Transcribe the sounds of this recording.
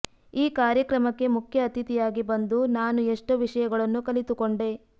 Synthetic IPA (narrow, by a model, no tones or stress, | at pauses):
iːkaːɾjɐkɾɐmɐkːe̞mukʰjɐːt̪it̪ijaːɡibɐnd̪unaːnueʂʈoʋiʂɐjɐɡɐɭɐnːukɐlit̪ukoɳɖe̞